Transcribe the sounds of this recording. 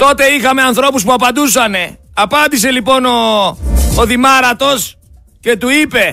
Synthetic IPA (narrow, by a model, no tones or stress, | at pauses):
t̪o̞t̪e̞ixɐme̞ɐnθɾo̞pus̬puɐpɐnd̪us̬ɐne̞ɐpɐnd̪ise̞lipo̞no̞ː | ðimɐɾɐt̪o̞s | ce̞t̪uipe̞